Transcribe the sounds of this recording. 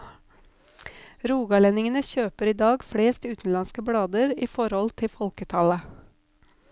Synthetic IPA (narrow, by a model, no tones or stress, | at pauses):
ɾuːɡɑlɛnɪŋənəçøːpəɾiːd̪ɑːɡfɽeːst̪ʉːt̪n̩lɑnskəbɽɑːd̪əɾiːfɔɾhɔlt̪ʰɪfɔlkət̪ʰɑlə